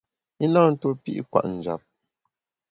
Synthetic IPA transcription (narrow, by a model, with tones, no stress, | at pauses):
i˦na˦˨n̩˦to˦pḭ˦ʔkwa̰˨ʔn̩˨d͡ʒa̰˨p̚